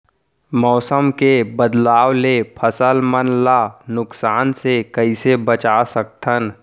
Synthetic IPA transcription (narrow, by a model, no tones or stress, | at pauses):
mɔːsəmkebəd̪laːwlepʰəsəlmənlanʊksaːnsekəisebət͡ʃasəkt̪ʰən